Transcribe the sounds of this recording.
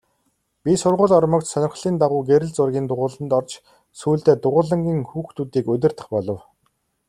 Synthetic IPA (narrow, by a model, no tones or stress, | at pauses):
pʲisʊrʁʊːrɮɔrmɞ̆kt̪sœnʲɪ̆χɮiːnt̪aʁʊːɡeɾɘ̆ɮt͡sʊrɣʲiːnt̪ʊʁʊːɮə̆nt̪ɔrt͡ɕ | suːɮt̪eːt̪ʊʁʊːɮə̆ŋɡʲiːŋxuːxt̪ʰuːt̪iːkɵt̪̬ʲɪ̆r̥t̪ə̆χpɔɮɞ̆w